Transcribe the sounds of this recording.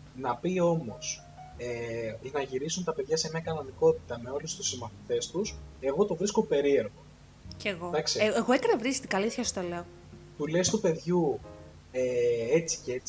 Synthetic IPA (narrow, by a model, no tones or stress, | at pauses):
nɐpio̞mo̞̰s | enɐʝiɾisunt̪ɐpeðʝɐse̞mɲɐkɐno̞niko̞t̪it̪ɐme̞o̞lust̪usimɐθit̪e̞st̪use̞ɣo̞t̪o̞vɾiskope̞ɾie̞ɾɣo̞ | ceɣod̪ɐksieeɣoekɐɾɐvɾisi̥st̪iɡɐliθçɐsot̪oleo | t̪ulest̪upe̞ðʝu | ee̞t͡si̥ceet͡s